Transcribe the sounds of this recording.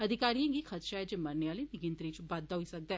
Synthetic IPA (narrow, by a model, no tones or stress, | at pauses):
ɐd̪ʱɪkaːɾijãɡixʰət̪ʃaɦɛd͡ʒeːmɐɾneʋaːlenɪɡɪ̃nt̪ɾit͡ʃbaːd̪ːaɦoisɐk̚d̪ɛː